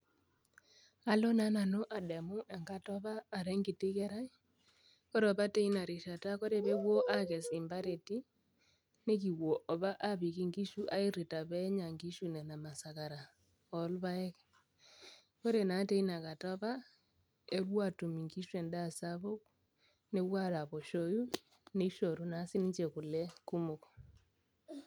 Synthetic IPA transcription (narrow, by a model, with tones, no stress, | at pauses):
a˨˦lɔ˦na˦na˨no˦ʔa˨dɛ˨mʊ˦ʔɛ˨ŋɡa˦tɔ˦βaː˦˨ɾɛ˦ŋɡi˨ti˦kɛ˦ɾa˦i˦ | kɔ˦ɾɔ˨pa˦te˦i˦na˨ɾi˨ʃa˨ta˦ko˦ɾe˨βe˦wwo˦ʔa˦kɛ˨sɪ˨mba˦ɾe˨ti˦ | ne˦k̬i˨wwo˨ʔɔ˨βa˦ʔa˦βi˨ki˦ŋɡi˦ʃu˦ʔa˦i˦ɾi˨ta˨βɛ˦ɲa˨ŋɡi˦ʃu˨nɛ˨na˨ma˨sa˨ka˨ɾa˨ | ɔ˨lβa˦ɛ˦k | ko˦ɾe˨na˨˦te˦i˦na˨ka˨ta˦βa˦ | e˦ɾwa˦˨tu˨mi˨ŋɡi˦ʃwe˨nda˦˨sa˦βo˦k̚ | ne˦βwa˦ɾa˨βɔ˨ʃo˦ju˦ | ne˦ʃo˨ɾu˨na˦si˦ni˦t͡ʃe˨ku˨lɛ˦ku˦mo˨k